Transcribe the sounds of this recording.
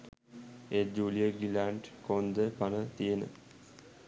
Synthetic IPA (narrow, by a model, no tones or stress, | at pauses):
eːd͡ʒuːlijəɡilaɳʈkond̪əpanət̪ijənə̰